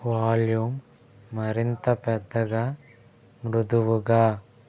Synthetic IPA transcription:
ʋaːljumː | ɐɾɪnd̪ɐpɛd̪ɐɣɐ | mɾʊðuʋuɡa

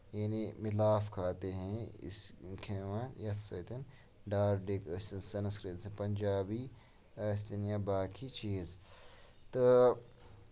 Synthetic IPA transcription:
janimɪlaːfkʰaːt̪eɦɛ̃ɪ̰skʰeːʋãnjɐt̪ʰsɐt̪ɐn | ɖaːɾɖekɐst̪ɐnsɐnɐskɾeːt̪sẽpɐnʲd͡ʒaːbi | ɐst̪injãːbaːkʰit͡ʃiːz | t̪ɐ

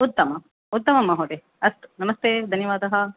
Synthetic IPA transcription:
ut̪ːɐmɐ | ut̪ːɐmɐmɐɦoːʈ̪e | ɐst̪nɐmɐst̪eːd̪ʱɐnjɐʋaːd̪ɐɦɐ

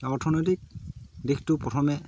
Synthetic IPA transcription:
ɔɹtʰɔnɔjt̬ik̚dixtʊpɹɔtʰɔmɛ

